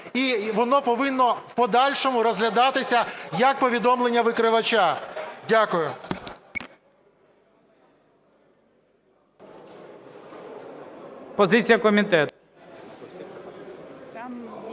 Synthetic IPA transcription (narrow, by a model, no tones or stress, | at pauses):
iʋɔnɔpɔʋɪnːɔwpɔd̪ɑlʲʃɔmʊɾɔzɦlʲɐd̪ɑt̪ɪsʲɐjɐk̚pɔʋʲid̪ɔmlˠe̞nʲːɐʋɪkɾɪʋɐt͡ʃadʲakʊjʊ | pɔzɪt͡sʲijɐkɔmʲit̪ɛt̪